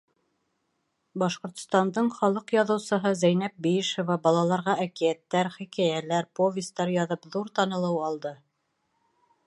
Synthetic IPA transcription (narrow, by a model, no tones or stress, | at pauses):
bɑʃqŏɾt̪̆st̪ɑnd̪ɤɴχɑlˠɤqjɑðɤ̆wsɤ̆ɦɤzæjnæp̚bijɘʃŏvɑbɑlˠɑlˠɑɾʁɑʔækijæt̪ːæɾχikæjælæɾpovʲɪst̪ɑɾjɑðɤpðuɾt̪ɑnɤ̆lˠɤwɑlˠd̪ɤ